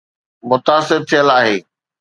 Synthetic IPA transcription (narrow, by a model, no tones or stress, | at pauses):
mʊt̪aːsɪɾt̪ʰijəlaːɦeː